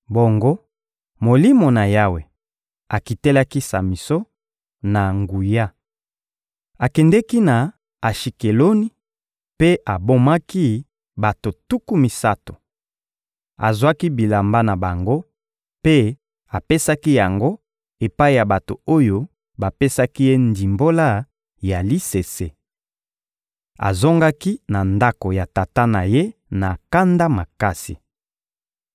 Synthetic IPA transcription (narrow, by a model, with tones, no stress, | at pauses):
bo˨ŋɡo˦ | mo˨li˦mo˨na˨ja˦we˨ | a˨ki˨tɛ˦la˦ki˦sa̰˨mi˨so˦ | na˨ŋɡu˨ja˦ | a˨kɛ˨ndɛ˦ki˦na˨ | a˨ʃi˨ke˨lo˦ni˦ | pe˦a˨bo˦ma˦ki˦ | ba˨to˨tu˦ku˦mi˨sa˦to̥˨ | a̰˨zwa˦ki˦bi˨la˨mba˦na˨ba˨ŋɡo˦ | pe˦ | a˨pe˦sa˦ki˦ja˨ŋɡo˦ | e˨pa˦i˦ja˨ba˨to̰˨o˦jo˦ | ba˨pe˦sa˦ki˦je˦ndi˨mbo˦la˦ | ja˨li˦se˨se˦ | a̰˨zo˦ŋɡa˦ki˦na˨nda˦ko˨ja˨ta˨ta˦na˨je˦na˨ka˦nda˦ma˨ka˦sḭ˨